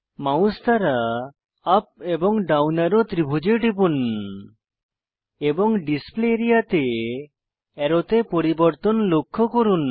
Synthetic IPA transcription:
maw̃st̪aɾaː | p̚ebɔŋɖawnaɾɔt̪ɾibʱud͡ʒeʈipun | ebɔŋɖispleɾijat̪e | ɛɾɔt̪epɔɾibɔɾt̪ɔnlokʰːɔkɔɾun

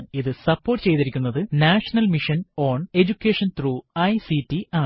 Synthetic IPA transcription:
iðɨsɐpːo̞ːrʈːɨt͡ɕe̞jt̪iɾikʲːunːɐðɨnaːʂɐnɐlmiʂɐno̞ːɳe̞d͡ʑukʲːeːʂɐnt̪ruːɐjsitːiaː

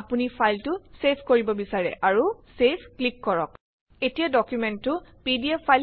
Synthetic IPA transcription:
apunipʰajltʊsepʰkoɹibɔbisaɹɛ̰ʔaɹusepʰklikːɔɹɔk | etijadɔkjumɛntːʊpidiɛajl

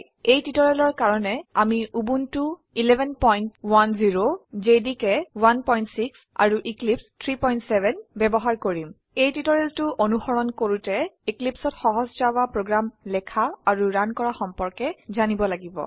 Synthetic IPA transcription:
ejtitɔɹɛlɔɹkaɹɔnɛamiʔubuntu | ilɛbʱɛnpɔjntwanziɹozedikɛwanpɔjntsiksa̰ɹuʔiklipstʰɹipɔjntsɛbʱɛnbɛbɔɦaɹkoɹim | ejtitɔɹeltʊʔonuxɔɹɔnkoɹutɛiklipsɔtxɔɦɔzzawapɹoɡɹamlɛkʰaaɹuɹankɔɹaxɔmpɔɹkɛzanibɔlaɡibɔ̰

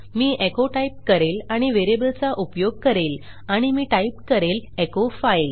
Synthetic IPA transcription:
miːʔekoʈaip̚kəɾelaɽ̃iʋeɾebəlt͡saʔupjoɡ̚kəɾel | aɽ̃imiːʈaipkəɾelekofajl

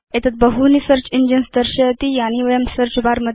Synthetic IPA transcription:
et̪ʰət̪̚bəɦunisəɾt͡ɕind͡ʑənsd̪əɾɕət̪ijaniʋəjəmsəɾt͡ɕbaɾməd̪

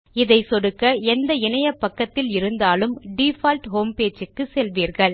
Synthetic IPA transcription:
ɪðɐɪsɔɽɯkːɐɛnd̪ɐɪnɐjɐpːɐkːɐt̪ːɪlɪɾɯnd̪aːlɯmɖiːfaːlʈɦoːmpeːt͡ʃɯkːɯsɛlʋiːɾɣɐɭ

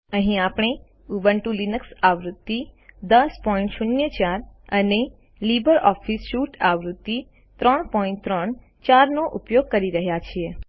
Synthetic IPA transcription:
əɦĩapɽ̃e | ubəɳʈulinəksaʋɾut̪ːid̪əspɔĩɳʈʃunjət͡ʃaɾəne | libəɾɔfisʃuʈaʋɾut̪ːi | t̪ɾəɳpɔĩɳʈt̪ɾəɳ | t͡ʃaɾnoʔupjoɡ̚kəɾiɾəɦjat͡ʃʰie

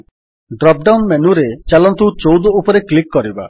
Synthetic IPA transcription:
ɖɾɔp̚ɖawnmenuɾet͡ʃalɔnt̪uwt͡ʃowd̪ɔupɔɾeklikːɔɾiba̰

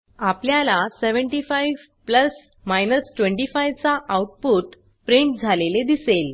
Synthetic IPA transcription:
apljalaseʋəɳʈifajʋ | pləs | majnəsʈʋə̃ɳʈifajʋt͡saʔawʈ̚puːʈ | pɾeɳʈ̚d͡zʱaleled̪isel

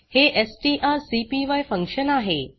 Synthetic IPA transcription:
heʔesʈiːʔaɾsipiʋajfəŋkɕənaɦe

